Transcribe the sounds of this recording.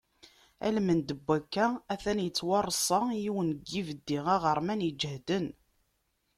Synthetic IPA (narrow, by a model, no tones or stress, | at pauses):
æ̰lmənd̪əbʷːækːææθænjət͡sːwɑrˤːsˤɑjiwənɡːivəd̪ːiʁæʁəɾˤmænjəd͡ʒɦd̪ən